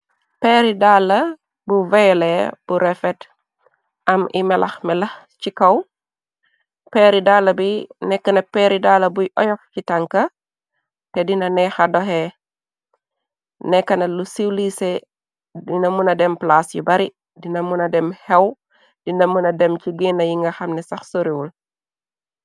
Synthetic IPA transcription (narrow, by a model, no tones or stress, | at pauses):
pɛːɾidalːɐ | buvɛjlɛb̥uɾɛfɛt | ʔɐmimɛlʔɐ̰xmɛlɐx | t͡ʃikɐw | pɛːɾidalːɐbinɛkːɐnɐpɛɾidalːɐbujʔɔjɔfcitaŋkɐ | tɛdinɐnɛxɐdɔɦɛ | nɛkːɐnɐlusiwlisɛ | dinɐmunɐdɛmplaːsjubɐɾi | dinɐmunɐdɛmhɛw | dinɐmunɐdɛmciɡinɐjiŋɡɐxɐmnɛsɐxsoɾiwul